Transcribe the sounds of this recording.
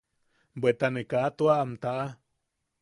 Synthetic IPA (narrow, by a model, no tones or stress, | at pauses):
bwet̪anekat̪uaːmt̪aʔa